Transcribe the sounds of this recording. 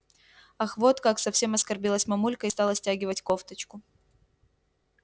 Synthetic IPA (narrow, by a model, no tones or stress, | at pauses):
ɐxvo̞t̪kaksɐfsʲe̞mɐskɐrbʲilˠəsʲmɐmulʲkəɪst̪ɑlˠəsʲtʲæɡʲɪvətʲkoft̪ət͡ɕkʊ